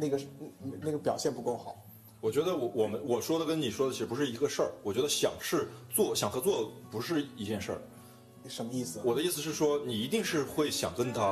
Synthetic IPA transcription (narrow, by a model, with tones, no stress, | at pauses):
na˥˩ɡə˩˧na˥˩ɡə˩pjɑ˨˩ʊɕjɛ˥˩˧npu˧˥ko˥˩ʊxɑ˨˩˦ʊ | wɔ˨˩t͡ɕɥɛ˧˥d̪ə˧wɔ˧˥wɔ˨˩mə˦nwɔ˨˩ʂwɔ˥d̪ə˨kə˥ni˨˩ʂwɔ˥d̪ə˨t͡ɕʰi˧˥ɻ̩˥˩pu˧˥ʂɻ̩˥˩i˧˥ɡə˧ʂə˞˥˩wɔ˨˩t͡ɕɥɛ˧˥d̪ə˧ɕjɑ̰˨˩ŋʂɻ̩˥˧t͡swɔ˥˩ɕjɑ˨˩ŋxɤ˧˥t͡swɔ˥˩d̪ə˩pu˧˥ʂɻ̩˥˧i˧˥t͡ɕjɛ˥˧nʂə̰˞˥˩ | ʂə˧˥nmə˧i˥˩sɹ̩˩wɔ˨˩d̪ə˦i˥˩sɹ̩˩ʂɻ̩˥˩ʂwɔ˥ni˨˩i˧˥t̪̬i˥˧ŋʂɻ̩˥˧xwe˥˩ɪɕjɑ˨˩ŋkə˥nt̪ʰa˥